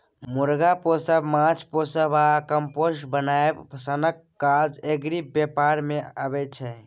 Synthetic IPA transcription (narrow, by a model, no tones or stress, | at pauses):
muɾɡaposəbmãt͡ʃʰposəbakəmpoʃbənaebpəsənəkːad͡ʒeɡɾibbjepaɾmeəbɛt͡ʃʰɛ